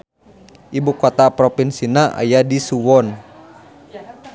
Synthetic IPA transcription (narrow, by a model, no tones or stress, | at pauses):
ʔibukɔt̪apɾɔpinsinaʔa̰jadisuwɔn